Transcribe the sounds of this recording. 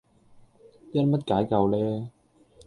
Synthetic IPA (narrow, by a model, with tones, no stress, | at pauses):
tɛ˥nmɐ˥t̚kaː˨˥jkɐ˧wlɛː˦˥